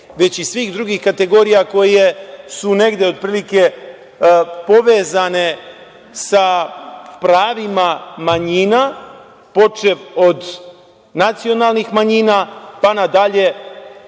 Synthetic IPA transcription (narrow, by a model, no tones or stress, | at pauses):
ʋe̞t͡ɕisʋiːxd̪ɾuɡixkat̪e̞ɡo̞ːɾijako̞jje̞sune̞ɡd̪eo̞d̪̚pɾiːlike̞ | po̞ʋe̞ːzane̞ | sa | pɾaːʋimamaɲina | po̞t͡ʃeʋo̞d̪ | nat̪sio̞naːlˠnixmaɲiːnapanad̪aʎe̞